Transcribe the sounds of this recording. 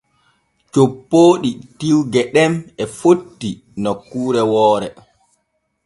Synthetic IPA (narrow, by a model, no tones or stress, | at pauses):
t͡ʃopːoːɗitiwɡɛɗɛmɛfotːi | nɔkuːɾɛwɔːɾɛ